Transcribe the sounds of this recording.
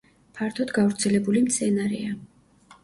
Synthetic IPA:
pʰaɾt̪ʰɔd̪ɡavɾt̪sʰɛlɛbulimt̪sʰɛnaɾɛa

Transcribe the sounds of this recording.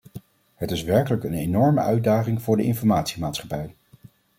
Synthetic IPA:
ɦətɪsʋɛɹkələkənenɔɹmə̰ʔœɥdaːχɪŋvʊːɹdəʔɪnfɔɹmaːtsi̥maːtsχɑpɛj

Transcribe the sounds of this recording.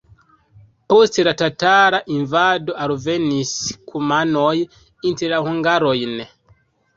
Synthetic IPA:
posteɾatataɾaʔiɱvadoʔaɾuveniskʰumanoj | inteɾahuŋɡaɾojne

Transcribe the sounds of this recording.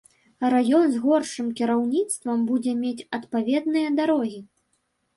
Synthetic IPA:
rajɔnzɣɔrʂɨmkʲiɾawnʲit̪st̪vɐmbud͡zʲɛmʲet͡sʲɐt̪pavʲɛd̪̚nɨjɐd̪aɾɔɣʲi

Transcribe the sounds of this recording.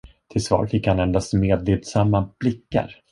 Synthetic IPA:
t̪ʰɪlsvɑ̰ːɾfɪkːhanɛnd̪ast̪meːd̪leːd̪samːab̥lɪkːa̰ɾ

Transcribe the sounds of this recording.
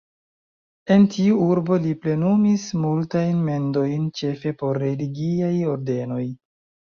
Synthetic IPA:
e̞ntiuuɾbo̞liple̞numismultajnme̞ndo̞jnt͡ʃe̞fe̞po̞ɾːe̞liɡiajo̞ɾde̞no̞j

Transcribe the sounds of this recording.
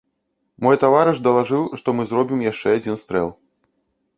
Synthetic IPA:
mɔjt̪avaɾɨʂd̪ɐlˠaʐɨwʂt̪ɔmɨzɾɔbʲimjaʂt͡ʂɛad͡zʲinst̪ɾɛ̰lˠ

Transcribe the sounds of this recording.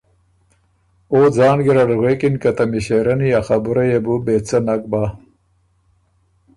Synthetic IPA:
oːd͡zɑːnɡiɾaɖɣweːkinkɐt̪ɐmiɕeɾɐnijaxabuɾɐjebubeːt͡sɐnak̚baː

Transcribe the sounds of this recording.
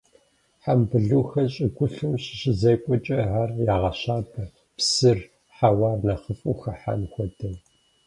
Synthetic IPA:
ħambɨɮuːxɐɕʼɪɡʷʊɬɨmɕɪ̥ɕɪzɐjkʷʼɔt͡ʃʼɐʕaːrjaːʁɐɕaːbʰɐ | psɨr | ħawaːrnaχəfʼṵːxɐħa̰nxʷɔdɐw

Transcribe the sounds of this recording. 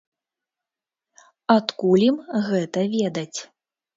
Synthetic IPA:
at̪kulʲimɣɛt̪ɐvʲɛd̪ɐt͡sʲ

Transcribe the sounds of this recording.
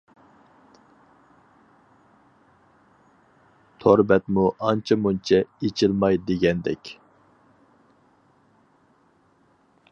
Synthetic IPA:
t̪ʰoɾbɛt̪muʔɑnt͡ʃʰɑmunt͡ʃʰɛet͡ʃʰilmɑjd̪eɡʲɛnd̪ɛ̰kʲ

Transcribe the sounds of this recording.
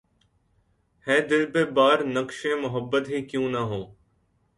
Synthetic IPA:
hẽːd̪ɪlbeːbaːɾnəkʃẽːmʊɦəbːət̪ɦiːkjũːnaɦõː

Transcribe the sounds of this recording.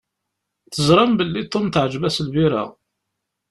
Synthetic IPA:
θəzɾˤɑmbəlːit̪ˤːont̪ʕd͡ʒbæslviɾæ̰

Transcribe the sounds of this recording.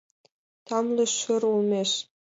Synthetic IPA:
t̪ɑmlɤ̆ʃə̆rulˠmʲeʃ

